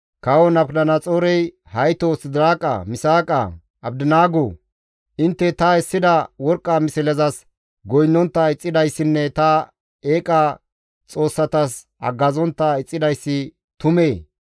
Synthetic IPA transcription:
kɐwɔnɐbkd̪ɐnɐt͡sʼoːɾɛj | hɐjt̪ɔsɪd̪ɪɾaːkʼɐ̰mɪsaːkʼɐ̰ | ɐbd̪ɪnaːɡoː | ʔɪnt̪ːɛt̪ɐɛsːɪd̪ɐwɔɾkʼːɐmɪsɪlɛzɐs | ɡɔjnːɔnt̪ːɐɪt͡sʼːɪd̪ɐjsːɪnːɛt̪ɐ | eːkʼɐ | t͡sʼo̞ːsːɐt̪ɐs | ɐ̰ɡːɐzɔnt̪ːɐɪt͡sʼːɪd̪ɐjsːɪ | t̪ʊmeː

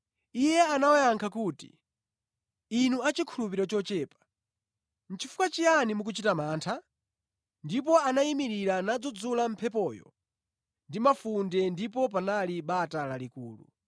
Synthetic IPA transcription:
ijɛanawajaŋkʰakuːtḭ | inuat͡ʃikʰulupiɾɔt͡ʃɔt͡ʃɛːpḁ | n̩t͡ʃʰifukat͡ʃijanimuk̬ut͡ʃitamaːntʰa | ndip̬ɔanaimiɾiɾanad͡zɔd͡zulam̩pʰɛpɔːjɔ̰ | ndimafundɛndipɔp̬analiɓatalalikuːlṵ

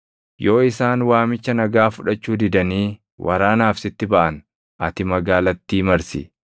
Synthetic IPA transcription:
jo̞ːɪsaːnwaːmɪt͡ʃːɐnɐɡaːfʊᶑɐt͡ʃːuːd̪ɪd̪ɐniː | wʔɐ̰ɾaːnaːfsɪt̪ːɪbɐʔɐn | ʔɐ̰t̪ɪmɐɡaːlɐt̪ːiːmɐɾsɪ̰

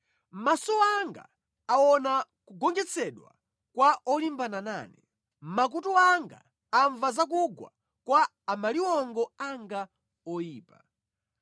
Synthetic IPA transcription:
m̩masɔaŋɡa̰ | awɔna | kuɡɔŋd͡ʒɛt͡sʰɛɗwa̰ | kwaʔɔlimbanana̰ːnɛ | m̩mak̬utuaŋɡa̰ː | ɱvazak̬uɡwa̰ | kwaː | maliwɔŋɡɔaŋɡa | ɔjiːpa

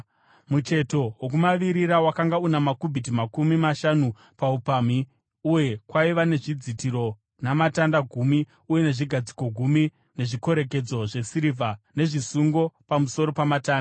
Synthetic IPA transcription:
mut͡ʃe̞to̞wok̬umaʋiɾiɾawakaŋɡaunamakubʱit̬imakumimaʃanu | paupami | uje̞kwaiʋane̞ʐid͡zitiɾo̞ | namatandaɡʱuːmi | uje̞ne̞ʐiɡʱad͡ziko̞ɡʱumi | ne̞ʐiko̞ɾe̞k̬e̞d͡zo̞ʐe̞siɾivʱane̞ʐisuŋɡo̞pamuso̞ɾo̞pamataːnda

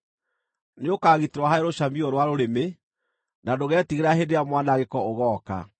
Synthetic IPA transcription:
neokaːɣiteɾwahaɛɾoɕamiɔɾwaɾoɾeme | nadoɣɛtiɣeɾaɦedeamwanaɣekɔoɣɔːka̰

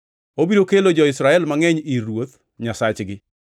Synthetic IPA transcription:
obiɾokelod͡ʒɔɪsɾaɛlmaŋɛɲiɾwot̪ | ɲasat͡ʃɡɪ

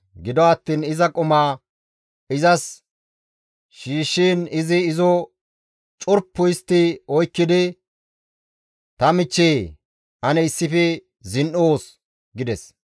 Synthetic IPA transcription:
ɡɪd̪ɔɐt̪ːiːnɪzɐkʼʊmaː | ɪzɐs | ʃiːʃːiːnɪzɪːzɔ | t͡ʃʼʊɾpːʊjɪst̪ːɪɔjkːɪd̪ɪ | t̪ɐmɪt͡ʃːeː | ʔɐnɛɪsːɪfɛ | zɪnʔoːs | ɡɪd̪ɛs

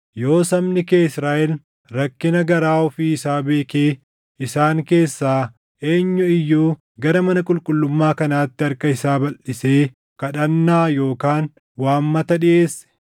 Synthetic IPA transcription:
jo̞ːsɐmnɪkeːɪsɾaːʔɛl | ɾɐkːɪnɐɡɐɾaːɔfiɪsaːbe̞ːkeː | ɪsaːŋke̞ːsːaː | ʔe̞ːɲːʊɪjːuː | ɡɐɾɐmɐnɐkʼʊlkʼʊlːʊmːaːkɐnaːt̪ːɪɐɾkɐɪsaːbɐlːɪse̞ː | kɐᶑɐnːaːjo̞ːkaːn | waːmːɐt̪ɐᶑɪʔeːsɛ̥

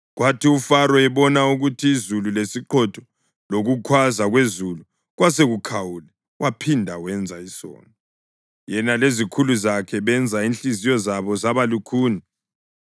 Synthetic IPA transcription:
ɣwatʰiufaɾɔɛβɔnauɣutʰiːzululesiǃʰɔtʰɔ̥ | loɣukʰwazaɣwezulu | ɣwaseɣukʰawulɛ | wʔapʰindʱawɛnd͡zʱaisɔ̰ːnɔ | jɛnalezikʰuluzakʰɛβɛnd͡zʱainɬizijɔzaβɔzaβalukʰuːni

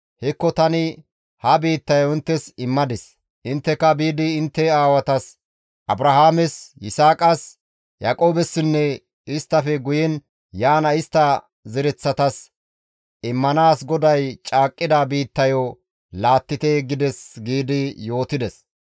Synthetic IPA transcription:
hɛkːɔt̪ɐnɪ | hɐbiːt̪ːɐjɔɪnt̪ːɛsɪmːɐd̪ɪs | ʔɪnt̪ːɛkɐbiːd̪ɪːnt̪ːɛaːwɐt̪ɐs | ʔɐbɾɐɦaːmɛsjɪsaːkʼɐs | jaːkʼo̞ːbɛsːɪnːɛ | ɪst̪ːɐfɛɡʊjɛn | jaːnɐɪst̪ːɐ | zɛɾɛt͡sːɐt̪ɐs | ɪmːɐnaːsɡɔd̪ɐjt͡ʃʼaːkʼːɪd̪abiːt̪ːɐjo | laːt̪ːɪt̪eɡɪd̪ɛsɡiːd̪ɪjo̞ːt̪ɪd̪ɛs

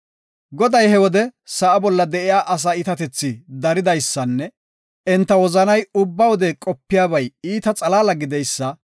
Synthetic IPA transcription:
ɡɔd̪ɐjhɛwɔd̪ɛsɐʔɐbɔlːɐd̪ɛʔɪjaːʔɐs̬ɐɪt̪ɐt̪ɛt͡sːɪd̪ɐɾɪd̪ɐjsːɐnːɛ | ʔɛnt̪ːɐwɔzɐnɐjʊbːɐwɔd̪ɛkʼɔpːɪjaːbɐjiːt̪ɐt͡sʼɐlaːlɐɡɪd̪ɛjsːɐ

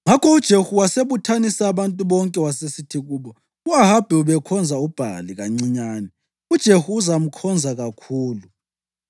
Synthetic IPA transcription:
ŋakʰɔud̥ʒ̥ʱehuwaseβutʰanisaːβantʼuβɔŋkʼɛwasesitʰiɣuːβɔ | uaɦab̥ʱɛuβɛkʰɔnd͡zʱaub̥ʱa̰liɣaŋ͡ǀiɲaːnɛ | ud̥ʒ̥ʱehuːzam̩kʰɔnd͡zʱaɣakʰuːlu

